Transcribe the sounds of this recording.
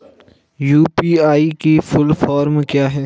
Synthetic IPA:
juːpiːaːikifʰʊlfaːɾmkjaːɦɛː

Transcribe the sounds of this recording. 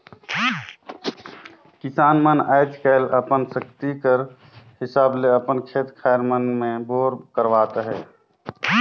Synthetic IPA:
kɪsaːnməna̰ːɪd͡ʒkəɪlʔəpənsəkt̪ikəɾ | hɪsaːbleəpənkʰeːt̪kʰaːjɾmənmẽboːɾkəɾʋaːt̪ɦɛː

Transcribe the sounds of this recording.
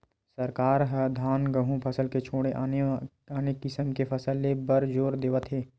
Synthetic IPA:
səɾkaːɾɦd̪ʱaːnɡəɦũpʰɐsəlket͡ʃʰoːɽeʔ | aːnekɪsəmkepʰɐsəlːebəɾd͡ʒoːɾd̪eːʋət̪ɦeː

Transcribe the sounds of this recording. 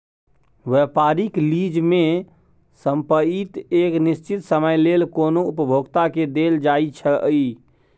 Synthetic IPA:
ʋɛpaɾiklid͡ʒme | səmpəit̪eknist͡ʃit̪səməjlelkonoupəbʱoɡt̪aked̪eld͡ʒait͡ʃʰəəi

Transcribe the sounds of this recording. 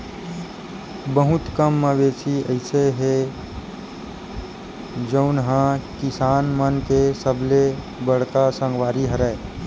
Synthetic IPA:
bəɦʊt̪kəmːəʋeːsiəɪseɦe | d͡ʒəʊnɦãkɪsaːnmənkesəble | bəɽ̤kasə̃ŋɡwaːɾiɦəɾɛː

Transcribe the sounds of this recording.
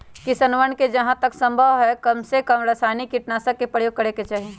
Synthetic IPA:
kisɐnʋənked͡ʒɐɦãt̪əksə̃mbʱəʋɦɛkɐmsekəmɾəsaːnikiʈnaːsəkːepɾəjoːɡ̚kəɾeket͡ʃaːɦie

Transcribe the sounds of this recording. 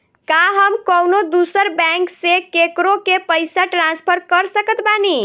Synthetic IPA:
kaɦəmkəwnod̪usəɾbɛ̃ŋksekekɾokepəjsaʈɾanspʰəɾkəɾsəkət̪bani

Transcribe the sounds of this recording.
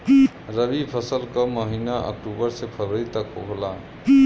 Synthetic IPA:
ɾəbipʰəsəlkəməɦinaʔə̰k̚ʈubəɾsepʰəɾɾit̪əkɦoɦla

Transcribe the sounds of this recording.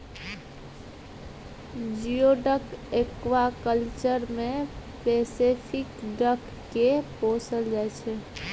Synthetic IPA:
d͡ʒioɖəkekʋakəlt͡ʃəɾmẽpesepʰɪkɖəkːeposəld͡ʒaet͡ʃʰɛ

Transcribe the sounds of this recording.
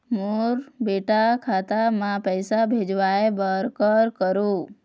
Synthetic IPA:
moɾbeʈakʰat̪amãpəjsabʱed͡ʒʋaebəɾkəɾkəɾu

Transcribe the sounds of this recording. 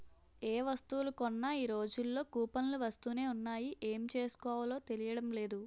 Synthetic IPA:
e̞ːʋɐst̪uʋulukɔnːaːiːɾo̞ːd͡ʒulːo̞ːkuːpɐnluʋɐst̪uːne̞ːunːaːjiʔeːmit͡ʃe̞ːsu̥kɔːʋɐlo̞ːt̪e̞lijɐɽɐmle̞ːd̪u

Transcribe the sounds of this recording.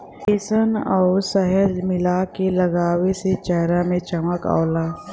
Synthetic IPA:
eːsənɔːɾsəɦəd͡ʒmɪlakelɐɡaːweset͡ʃɛɦɾamẽt͡ʃɐməka̰ːlaː

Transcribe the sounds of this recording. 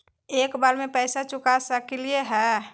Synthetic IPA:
eːkbaːlmẽpɛːsat͡ʃʊkasəkelieɦɛː

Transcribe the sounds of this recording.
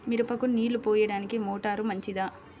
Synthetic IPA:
miɾupɐkuniːlupɔːjɐɽaːnikimɔːʈaːɾumɐɲt͡ʃid̪aː

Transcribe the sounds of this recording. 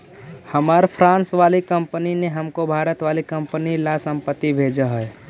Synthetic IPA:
həmaːɾpʰɾãːnsʋaːlikəmpənineɦəmkobʱaːɾət̪ʋaːlikə̃mpnilasə̃mpət̪ːibʱeːd͡ʒəɦɛː

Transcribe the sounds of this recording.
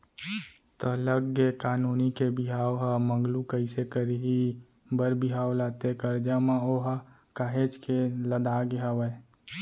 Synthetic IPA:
t̪ɔləɡekaːnuːnikebɪɦaːwɦamə̃ŋɡlukəɪsekəɾiɦi | bəɾbɪɦaːwlaːt̪ekəɾd͡ʒamãoɦa | kaːɦed͡ʒkeləd̪aːɡɪɦawə

